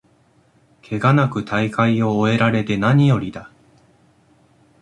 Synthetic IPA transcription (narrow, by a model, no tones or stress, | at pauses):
kʰe̞ɡanakɯ̟t̪ʰaikaio̞ːe̞ɾaɾe̞t̪e̞naɲ̟ijo̞ɾʲid̪a